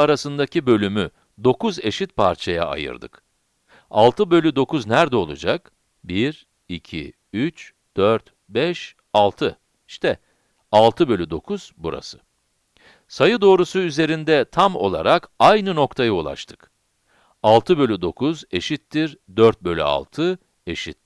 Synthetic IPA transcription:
aɾasɯnd̪acibø̞lʲymy | d̪o̞kuze̞ʃit̪̚pʰaɾt͡ʃʰaja̰a̰jɯ̰ɾd̪ɯ̰k | a̰lˠt̪ʰɯbø̞lʲyd̪o̞kuznæɾd̪ɛo̞lˠṵd͡ʒak | biɾ | icʰḭ | yt͡ʃ | d̪̥øɾt̪ | bɛʃ | alˠt̪ʰɯ | iʃt̪ʰɛ | alˠt̪ʰɯbø̞lʲyd̪o̞kʰuz̥buɾa̰sɯ̥ | sajɯd̪o̞ːɾusuyze̞ɾind̪ɛt̪ʰamo̞̰lˠa̰ɾakajnɯno̞kt̪ʰajɯulˠa̰ʃt̪ʰɯ̥k | alˠt̪ʰɯbø̞lʲyd̪o̞kʰuze̞ʃit̪ːiɾd̪øɾt̪̚bø̞lʲya̰lˠt̪ʰɯ | e̞ʃit̪̚

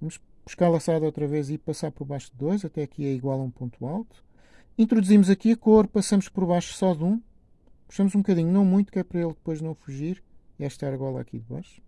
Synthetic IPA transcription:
vɐmuʃ | b̥u̥ʃkaɾlˠɐsaðɐot̪ɾɐvezipɐsaɾpɔɾβajʃud̪ɨːojzɐt̪ɛɐkʰiɛiɣwalˠũpõnt̪walˠt̪u̥ | ĩnt̪ɾud̪uzimuzɐkiɐkoɾpɐsɐmuʃpɔɾβajʃu̥sɔðũ | b̥u̥ʃɐmuzũbkɐðiɲunɐ̃w̃mũj̃t̪ukɛɾpɐɾɐelˠd̪̚pojʒnɐ̃w̃fuʒiɾiɛʃt̪aɾɐɣɔɾa̰kḭðɨβa̰jʃu̥

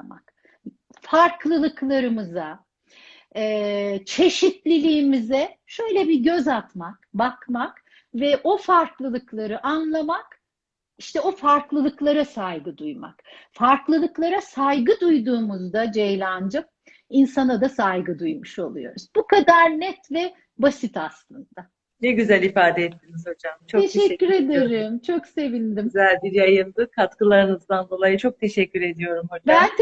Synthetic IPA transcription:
a̰k | faɾklˠɯlˠɯklˠaɾɯmɯza | ɛːt͡ʃʰe̞ʃit̪lʲilʲiːmizɛʃø̞jlʲɛbiɟøzat̪makbakmak | vɛʔo̞faɾklˠɯlˠɯklˠaɾɯʔanlˠamak | iʃt̪ʰɛo̞faɾklˠɯlˠɯklˠaɾasajɡɯd̪ujma̰kfaɾklˠɯlˠɯklˠaɾasajɡɯd̪ujd̪uːmuzd̪ad͡ʒejlʲand͡ʒɯm̚ | insanad̪asajɡɯd̪ujmuʃo̞̰lˠujo̞̰ɾuz̥bukad̪aɾnɛt̪vɛ | basit̪aslˠɯnd̪a | nɛɟyzælʲifaːd̪ɛɛt̪ːinizho̞d͡ʒamt͡ʃʰoeʃɛcʲːyɾe̞d̪eɾimt͡ʃʰo̞kse̞vinʲd̪imzælʲb̪id͡ʒjajɯnd̪ɯkʰat̪kɯlˠaɾɯnɯzd̪and̪o̞lˠajɯt͡ʃʰo̞k̚t̪ʰe̞ʃɛcʰːyɾe̞d̪ijo̞ɾumhod͡ʒbaæn

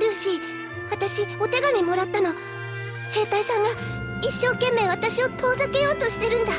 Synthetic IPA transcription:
ɾɯ̟ɕi | βat̪aɕio̞t̪e̞ɡamʲimo̞ɾat̪ːano | he̞ːt̪aisãŋɡa | iɕːo̞ːkẽ̞mːe̞ːβ̞at̪aɕio̞t̪ʰo̞ːzake̞jo̞ːt̪o̞ɕi̥t̪e̞ɾɯ̟̃nd̪a

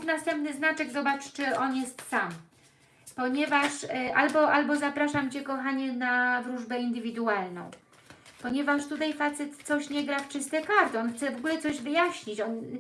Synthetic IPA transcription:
knast̪ɛmpnɘznat͡ʂɛɡzɔbat͡ʂt͡ʂɘɔnjɛst̪sam | pɔɲɛvaʂʔalbɔʔalbɔzapɾaʂamt͡ɕɛkɔxaɲɛnavɾuʐbɛind̪ɘvʲid̪ualnɔ̰̃w̃ | pɔɲɛvaʂt̪ut̪ajfat̪sɛt̪t̪sɔɕɲɛɡɾaft͡ʂɘst̪ɛkaɾt̪ɔnxt̪sɛvɔɡulɛt̪sɔʑvɘjaɕɲit͡ɕɔn

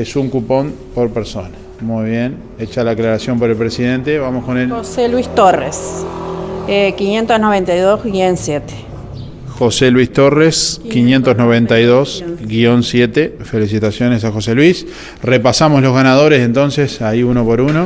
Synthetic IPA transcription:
esuŋkupo̞m | po̞ɾpeɾso̞na | mujβje̞n | et͡ʃalaːklaɾasjo̞mpoɾe̞lpɾesiðe̞nt̪e̞βamoskoneloselwist̪orḛs | ekinjent̪osnoβ̞ent̪ajðozɣionsjet̪e̥ | xo̞selwist̪o̞reskinjent̪oznoβ̞e̞nt̪ajðosɡio̞nsje̞t̪efe̞lis̬it̪asjo̞ne̞s̬axo̞selwis | repasamoslozɣanað̞o̞ɾese̞nt̪o̞nsesaiuno̞po̞ɾuno

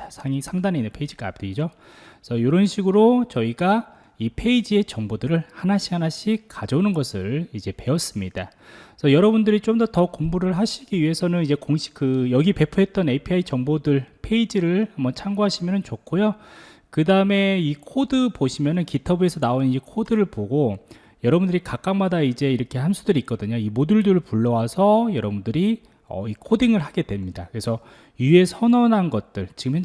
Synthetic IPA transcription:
sʰaŋisʰaŋdaneinːɯnpʰe̞id͡ʑik͈a̰pteid͡ʑo | sʰʌjoɾʌnɕʰiɡɯɾot͡ɕʌiɡa | ipʰe̞id͡ʑie̞t͡ɕʌŋbodɯɾɯɭhanaɕʰi̥hanaɕʰikad͡ʑʌunɯnɡʌsʰɯɭid͡ʑe̞pe̞ʌs͈ɯmɲid̥asʰʌjʌɾʌbundɯɾit͡ɕ͈omdʌtʌkombuɾɯɭɦaɕʰiɡiɥiɦe̞sʰʌnɯnid͡ʑe̞koŋɕʰi̥kɯjʌɡipe̞pʰuɦe̞t̚t͈ʌnepʰiait͡ɕʌŋbodɯɭpʰeid͡ʑiɾɯɭhamʌt͡ɕʰaŋɡoɦaɕʰimjʌnɯnt͡ɕokʰojokɯdaɯme̞ikʰodɯpoɕʰimjʌnɯnkitʰʌbue̞sʰʌnaonnid͡ʑekʰodɯɾɯɭpoɡo | jʌɾʌbundɯɾikak͈aŋmadaid͡ʑe̞iɾʌkʰe̞hansʰudɯɾik͈̚ʌdɯɲoimoduɭduɾɯɭpuɭːʌwasʰʌjʌɾʌbundɯɾi | ʌ̰ikʰodiŋɯɭɦaɡe̞dwe̞mɲidakɯɾe̞sʰʌ | jue̞sʰʌnʌnɦanɡʌt̚t͈ɯɭt͡ɕiɡɯme

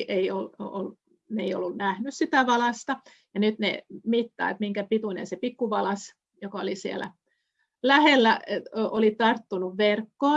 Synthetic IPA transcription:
ʔeiolol | neio̰lːunnæhnyssit̪æʋɑlɑst̪ɑ | jɑnyt̪nḛmit̪ːɑ̰ːet̪miŋkæpit̪unḛnsepikːuʋɑlɑs | jokɑolisielæ̰ | læhelːæeolit̪ɑrt̪ːunuʋʋerkːoː

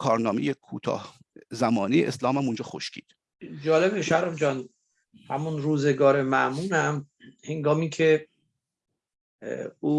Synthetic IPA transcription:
kʰɒːɾnɒːmejekʰuːt̪ʰɒ̰ːh | zæmɒːnejeʔeslɒːmæmund͡ʒɒːxoʃcʲʰḭːd̪̥ | d͡ʒɒːlebeʃæɾæmd͡ʒɒːn | hæmunɾuːzeɡɒːɾemæʔmuːnæm | heŋɡɒːmiːcʰe | uː

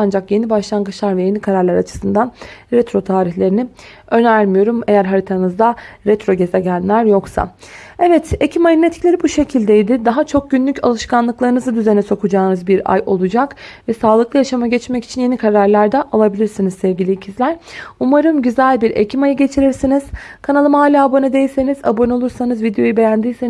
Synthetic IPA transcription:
and͡ʒakje̞nibaʃlˠaŋɡɯt͡ʃlˠaɾvɛje̞nikʰaɾaɾlʲˠaɾat͡ʃʰɯ̥sɯnd̪anɾɛt̪ɾo̞t̪ʰaːɾiçlʲe̞ɾini | ø̞næɾmijo̞ɾume̞jæɾɦaɾit̪ʰanɯzd̪aɾɛt̪ɾo̞ɟe̞zɛɟænʲlːʲæɾjo̞ksa̰ɛvɛt̪e̞cʰimajɯnet̪clʲe̞ɾibuʃe̞cʰilʲd̪ejd̪ɪd̪aɦat͡ʃʰo̞k̚ɟynlʲycʰa̰lˠɯʃkanlˠɯklˠaɾɯnɯzɯd̪yze̞nɛso̞kʰud͡ʒaːnɯzbiɾa̰jo̞lˠud͡ʒakvɛsaːlˠɯklˠɯjaʃamaɟɛt͡ʃmɛci̥t͡ʃʰinje̞nikʰaɾaɾlʲˠaɾd̪aʔalˠabilʲiɾsinizsɛvɟʲilʲiːcʰizlʲæɾ̥umaɾɯmɟyzælʲbiɾḛcʰimajɯɟe̞t͡ʃʰiɾiɾsiniz̥kʰanalˠɯmaːlʲaːbonɯd̪ejilʲse̞niza̰bo̞no̞lˠuɾsanɯzvid̪ejo̞jube̞jænd̪ijse

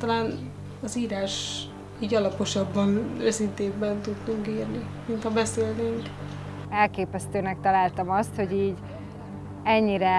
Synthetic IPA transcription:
t̪ɒlaːn | ɒziːɾaːʃ | iːɟɒlɒpo̞ʃɒbːɒnøsint̪eːbbɛnt̪ud̪nuŋkiːrnimint̪hɒbɛseːlneŋk | ɛlkeːpɛst̪øːnɛk̚t̪ɒlaːlt̪ɒmɒst̪ho̞ɟiːɟ | ɛɲːiɾɛ

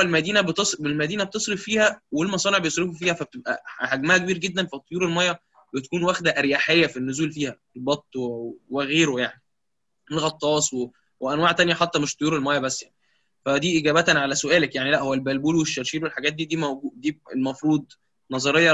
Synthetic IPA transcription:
ælmæd̪iːnæbet̪esˤbelmæd̪iːnæb̚t̪esˤɾeffiːhæwelmɑsˤɑːneʕbejosˤɾefufiːhæfæb̚et̪ebʔæ̰haɡmæhækebiːɾɡed̪ːænfit̪ˤːojuːɾelmæjːɑ | bet̪æ̥kuːnwæːxd̪æʔæɾjaħejːæfinːʊzuːlfiːhæelbɑt̪ˤːweɣeːɾojaʕni | elɣɑt̪ˤːɑːsˤwe | weʔænwaːʕt̪ænjæħat̪ˤːɑmeʃt̪ˤojuːɾelmæjːɑbæsːjaʕni | fæd̪iːʔeɡæːbæt̪ænʕalæsoʔæːlækjaʕnilæʔhowːælbælbuːlweʃːæɾʃiːlwelħaɡæːt̪̚d̪iːd̪iːmæwɡuːd̪iːelmɑfɾuːd̪̚ˤ | nɑzˤɑɾejːɑ

